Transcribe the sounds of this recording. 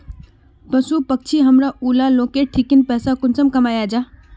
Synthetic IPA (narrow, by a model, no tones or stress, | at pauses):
pəsupək̚t͡ʃʰiɦəmɾaʔulaloːkeʈʰikinpɛːsakʊnsəmkɐmaːjad͡ʒaː